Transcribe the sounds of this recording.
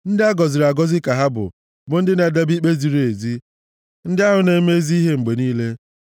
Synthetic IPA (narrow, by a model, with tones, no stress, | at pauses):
n̩˦dɪ˦a˦ɡɔ˨zɪ˨ɾa˨ɡɔ˦zɪ˦ka˨ɦa˦bʊ̰˨ | bʊ˨n̩˦dɪ˦na˨da˦bi˦k͡pe˦zi˨ɾe˨zi˦ | n̩˦dɪ˦a˦ɦʊ˨˦ne˦me˦zi˦i˦ɦe˦ŋ͡m̩˨ɡ͡be˨niː˦le˦